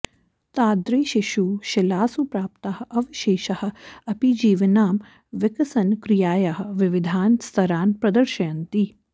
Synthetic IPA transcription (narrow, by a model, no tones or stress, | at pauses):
t̪aːd̪ɾeːʃiʃuːʃɪlaːsupɾaːpt̪ahɐʔɐʋiʃeːʃɐhɐ̆ɐpid͡ʒiːʋɐnaːm | ʋɪkɐsɐnkɾijaːjaɦɐ̆ʋɪʋɪd̪ʱaːnst̪ʰɐɾaːnpɾɐd̪ɐɾʃɐjɐnt̪i